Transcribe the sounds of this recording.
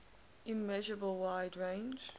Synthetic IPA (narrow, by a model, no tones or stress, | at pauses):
ʔɪmɛʒəɹəbəlˠwaɪdɹẽɪ̃nd͡ʒ